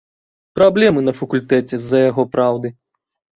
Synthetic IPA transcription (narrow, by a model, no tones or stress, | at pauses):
pɾablʲɛmɨnɐfɐkulʲt̪ɛt͡sʲɛzːɐjaɣɔpɾawd̪ɨ